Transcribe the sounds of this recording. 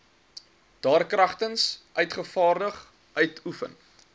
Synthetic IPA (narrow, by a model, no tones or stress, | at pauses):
d̥ɑːrkrɐχtənsʔœɥtχəfɑːrdəχ | ʔœɥtʰufə̰n